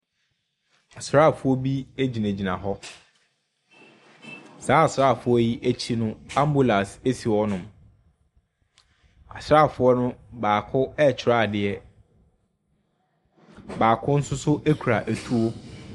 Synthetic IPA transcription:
a˨sɾa˦˨fʊ˦ɔ˦bi˦æ˦d͡ʑi˨næ̃˨d͡ʑi˨nã˨ɦɔ˦ | saː˨˦a˨sɾaː˦˨fʊ˨˦ɔ˦ji˦ʔæ˦t͡ɕʰi˦nʊ̃˦ã˦mbu˦la˨se˦si˨ɔ˦nʊ̃˨m | a̰˨sɾa˦˨fʊ˦ɔ˦nʊ̃˦baː˨kʰʊ˦ɛ˦˨t͡ɕʰɪ˨ɾa˦˨dɪ˨ɛ˦ | baː˨kʰʊ˦n̩˦sʊ˦sʊ˦ʔæ˦kʰu˨ɾa˨ʔæ˨tʰu˦o˦

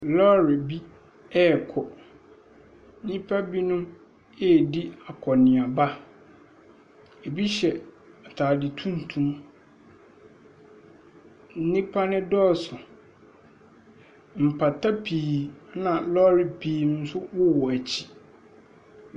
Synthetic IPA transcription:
lɔ˦ɾɪ˨bi˦ | ɛ˦˨kʰɔ˨˦ | nĩ˦pʰa˦bi˦nʊ̃˦ | ɛ˦˨di˦a˨kʰɔ˨nɪ̃˨a˨ba˦ | e˨bi˦ɕɛ˨ | a˨tʰaː˨dɪ˨tʰũ˦n˨tʰũ˦m | n̩˦nĩ˦pʰa˦nɪ̃˦dɔ˦˨sʊ˨ | m̩˨pʰa˨tʰa˦pʰiː˨nã˨lɔ˦ɾɪ˨pʰiː˨nʊ̃˦n̩˦sʊ˦wɔ˦wɔ˨æ˨t͡ɕʰi̥˦

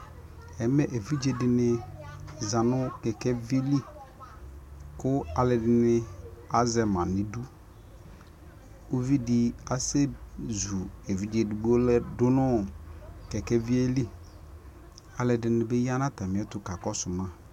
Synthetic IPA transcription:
ɛ˨˦mɛ˦ʔe˨vi˦d͡ʒe˨dɪ˨nɪ˨ | za˨nʊ˦kɛ˨kɛ˦vi˦li˦ | kʊ˦a˨lɛ˨dɪ˨nɪ˨a˦zɛ˨mã˨nɪ˨du˦ | o˦vi˦dɪ˦a˦se˦zu˨e˨vi˦d͡ʒe˨dɪ˨ɡ͡bo˦lɛ˦dʊ˦nʊ˦ | kɛ˨kɛ˦vi˦e˦li˦ | a˨lɛ˨dɪ˨nɪ˨bɛ˦ji˦a˦na˦ta˨mɪ˨˦ɛ˦tʊ˨ka˨kɔ˦sʊ˨mã˦

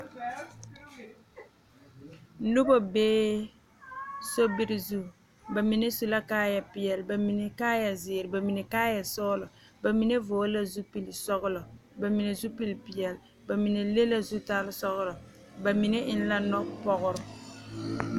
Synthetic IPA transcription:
lu˦bo˦beː˦ | so˦bɪ˦ɾɪ˨zu˦˨ | ba˨mi˨ne˦su˨la˦kaː˦ja˨pɪ˨jɛ˨lba˨mi˨ne˨kaː˦ja˨zɪ˨ɾɪ˨ba˨mi˨ne˨kaː˦ja˨sɔː˦lɔ˨ | ba˨mi˨ne˦voː˨˦la˦zu˦pi˨lsɔ˦ɣʊ˦lɔ˨ba˨mi˨ne˨zu˦pi˦lpɪ˨jɛ˨l | ba˨mi˨ne˨le˦la˦zu˦ta˦lɪ˦sɔ˦ɣʊ˦lɔ˨ | ba˨mi˨ne˦ʔɪ˦n˦la˦nɔ˦pɔ˦ɣʊ˦ɾʊ˨˦

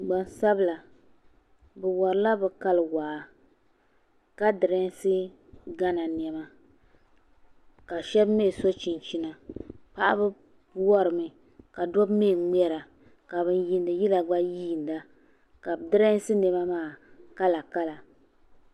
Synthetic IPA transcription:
ɡ͡ba˨n˦sa˦bɨ˦la˨ | bɛ˨wɔ˨ɾɨ˨˦la˦bɛ˨ka˦lɨ˨waː˨ | ka˦dɨ˨ɾɛ˦n˦sɨ˦ | ɡa˦na˨n˨ɛ˨ma˨ | ka˨ʃɛ˦bme˦˨so˦t͡ʃi˨n˨t͡ʃi˦na˨pa˦ʔa̰˦bɨ˦ | pwɔ˦ɾɨ˨mɨ˨ | ka˨dɔ˦bme˦˨ŋ͡mɛ˦ɾa˨ | ka˨βɨ˦n˦ji˦ndɨ˨ji˦la˨ɡ͡ba˦jiː˦˨nda˦ | ka˨bdɨ˦ɾɛ˦n˦sɨ˦nɛ˨ma˦maː˦˨ka˦la˨ka˦la˨

